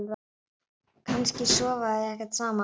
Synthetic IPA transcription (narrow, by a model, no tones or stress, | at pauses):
lv | kʰanscɪsɔːvaðɛhkaɾt̪saːma